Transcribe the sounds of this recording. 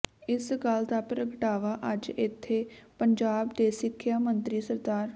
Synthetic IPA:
ɪsɡəld̪aːpɾəɡʈaːʋaːʔəd͡ʒɪt̪ʰːeːpəɲd͡ʒaːbd̪eːsɪkʰːjaːmənt̪ɾiːsəɾd̪aːɾ

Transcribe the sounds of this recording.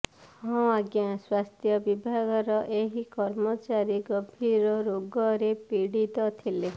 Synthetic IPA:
hɔ̃aɡjãswast̪ʰjɔbibʱaɡɔɾɔʔeɦikɔɾmɔt͡ʃaɾiɡɔbʱiɾɔɾoɡɔɾepiɽit̪ɔt̪ʰile

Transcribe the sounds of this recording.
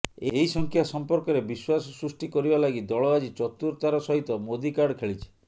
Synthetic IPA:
eɦisɔŋkʰjasɔmpɔɾkɔɾebiswasɔsɾusʈikɔɾibalaɡid̪ɔɭɔad͡ʒit͡ʃɔt̪uɾt̪aɾɔsɔɦit̪ɔmod̪ikaɾɖkʰeɭit͡ʃʰi̥

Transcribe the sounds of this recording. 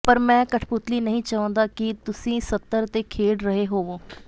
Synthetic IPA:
pəɾmɛ̃ːkəʈʰpʊt̪liːnəɦĩːt͡ʃaːə̃ːnd̪aːkɪt̪ʊsĩːsət̪ːəɾt̪eːkʰeːɽɾəɦeːɦoːʋoː

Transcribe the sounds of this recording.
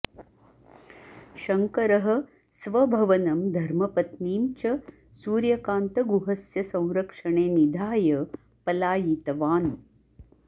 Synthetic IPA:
ʃɐŋkɐɾɐɦɐ̆ | sʋɐbʱɐʋɐnɐmd̪ʱɐɾmɐpɐt̪niːmt͡ʃɐ | suːɾjɐkaːnt̪ɐɡuɦɐsjɐsɐ̃w̃ɾɐkʂɐɳeːnid̪ʱaːjɐ | pɐlaːjit̪ɐʋaːn

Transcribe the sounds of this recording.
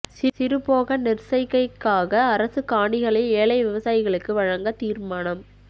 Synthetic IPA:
sɪsɪɾɯpoːɣɐnɪrsɐɪkːɐɪkːaːɣɐːɾɐsɯkaːɳɖɪɣɐɭɪleːɭɐɪʋɪʋɐsaːjɪɣɐɭɯkːɯʋɐɻɐŋɡɐt̪iːrmaːnɐm

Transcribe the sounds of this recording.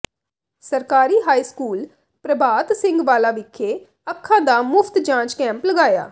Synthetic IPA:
səɾkaːɾiːɦaːiːskuːl | pɾəbʱaːt̪sɪ̃ŋɡʋaːlaːʋɪkʰːeː | əkʰːãːd̪aːmʊpʰt̪d͡ʒãːt͡ʃkɛ̃ːmpləɡaːja̰ː

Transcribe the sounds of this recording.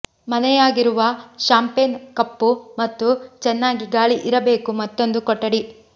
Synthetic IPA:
mɐnɛjaːɡiɾuʋɐʃaːmpenkɐpːumɐt̪ːut͡ʃɛnːaːɡiɡaːɭiʔiɾɐbe̞ːkumɐt̪ːo̞nd̪ukɔʈːɐɽi

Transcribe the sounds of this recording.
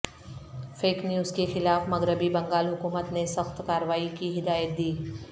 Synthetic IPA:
feːknjuːzkexɪlaːfmɐɣɾəbibɐ̃ŋɡaːlɦʊkuːmət̪nesɐxt̪kaːɾəʋaːikiɦɪd̪aːjət̪̚d̪iː

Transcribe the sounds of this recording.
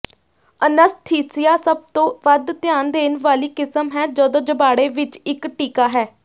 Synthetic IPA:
ənəst̪ʰiːsɪjaːsəb̚t̪õːʋəd̪t̪ɪjaːnd̪eːnʋaːliːkɪsəmɦɛːd͡ʒɔːd̪õːd͡ʒəbaːɽeːʋɪt͡ʃɪkʈiːkaːɦɛː

